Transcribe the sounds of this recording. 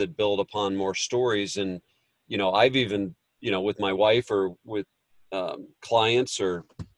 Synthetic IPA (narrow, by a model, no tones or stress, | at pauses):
ɨt̚b̥ɪlˠdəpʰɑ̃nmɔɹstɔɹizɨ̃n | jɨɾ̃oʊaɪvivɨ̃n | jɨñoʊwɨðmaɪwaɪfə˞wɪð̥ | ʌkʰl̥aɪɨ̃ntsə˞